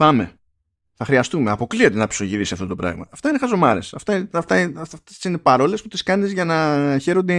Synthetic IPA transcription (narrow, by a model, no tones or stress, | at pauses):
pɐme̞̰ | θɐxɾiɐst̪ume̞ɐpo̞klio̞t̪enɐpi̥so̞ʝiðisɐft̪o̞t̪opɾɐ̰ɣmɐ̰ːft̪ɐinexɐzo̞mɐɾḛsɐft̪ɐft̪ɐft̪esine̞pɐɾo̞le̞sput̪iskɐnizʝɐnɐçe̞ɾond̪e